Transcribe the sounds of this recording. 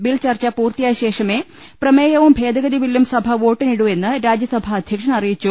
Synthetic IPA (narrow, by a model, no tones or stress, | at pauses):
bilt͡ɕɐrt͡ɕɐpuːrt̪ijaːjɕe̞ːʂɐme̞ː | prɐmeːjɐʋumbʱe̞ːd̪ɐɣɐðiʋilːjumsɐbʱɐʋo̞ːʈːiniɽue̞nːɨɾaːd͡ʑjɐsɐbʱɐːd̪ʱjɐkʂɐnɐrijit͡ɕːu